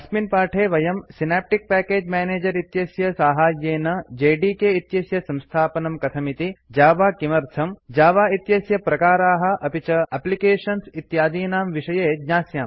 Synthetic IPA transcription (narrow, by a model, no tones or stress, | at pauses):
ɐsminpaːʈʰeːʋɐjɐmsinaːp̚ʈik̚pɛːkeːd͡ʒmɛːneːd͡ʒɐɾit̪jɐsjɐsaːɦaːjjeːnɐd͡ʒeːɖiːkeit̪jɐsjɐsɐ̃mst̪ʰaːpɐnɐmkɐt̪ʰɐmit̪id͡ʒaːʋaːkimɐɾt̪ʰɐmd͡ʒaːʋaːit̪jɐsjɐpɾɐkaːɾaːɦɐ̆ʔɐpit͡ʃɐɐplikeːʂɐnsit̪jaːd̪iːnaːmʋiʃɐjeːd̪ɲaːsjaːm